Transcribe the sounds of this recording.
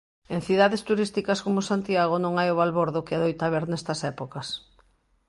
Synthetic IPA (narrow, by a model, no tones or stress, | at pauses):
ẽŋθiðaðɪst̪uɾist̪ikɐskomʊsant̪iaɣ̞onõŋajʊβalβoɾðʊkɪaðojt̪aβeɾnɛst̪ɐsɛpokɐs